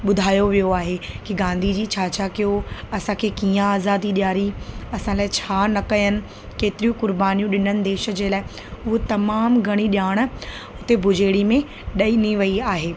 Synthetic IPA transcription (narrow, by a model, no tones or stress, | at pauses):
ɓʊd̪ʱaːjoʋijoaːɦekiɡãːnd̪ʱid͡ʑiːt͡ɕʰaːt͡ɕʰaːkijoɐsãkʰekiːãaːzaːd̪iɗjaːɾiɐsãlaːɪt͡ɕʰaːnɐkɐjənɪ̆ | keːt̪ɪɾijũkʊɾbaːnijũɗɪnənɪ̆d̪eːʃə̆d͡ʑeːlaːɦɪ | ʊɦot̪ɐmaːmɡʱɐɽ̃iɗjaːɽ̃̆ | ɦʊt̪ebʱʊd͡ʑʱeːɽimẽ | ɗɐiniʋɐiaːɦeː